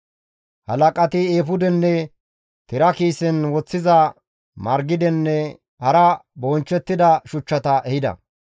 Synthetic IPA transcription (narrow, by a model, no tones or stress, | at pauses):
hɐ̰lɐkʼɐt̪ɪeːfʊd̪ɛnːɛ | t̪ɪɾɐkiːsɛnwɔt͡sːɪzɐ | mɐɾɡɪd̪ɛnːɛ | hɐɾɐbɔnt͡ʃːɛt̪ːɪd̪ɐʃʊt͡ʃːɐt̪ɐʔɛhɪd̪ɐ̰